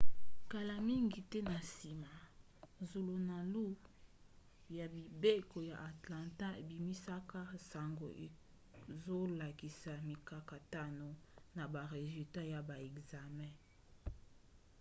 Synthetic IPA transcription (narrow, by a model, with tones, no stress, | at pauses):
ka˨la˨mi˦ŋɡi˨tɛ˦na˨si˨ma˨ | zo˨lo˨na˨lu˦ | ja˨bi˨be˦ko˨ja̰˨ʔa˨tlã˨ta˦e˨bi˨mi˦sa˦ka˦sa˨ŋɡo̰˨ʔe˨ | zo˦la˨ki˨sa˨mi˨ka˨ka˨ta˦no˨na˨ba˨ʁe˨zy˨lta˦ja˨ba˨ɛ˨kza˨mɛ̃˦